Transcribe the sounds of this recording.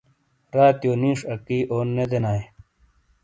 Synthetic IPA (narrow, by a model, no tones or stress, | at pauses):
ɾaːt̪joːnĩːʂɐkiːʔoːnːed̪enaːj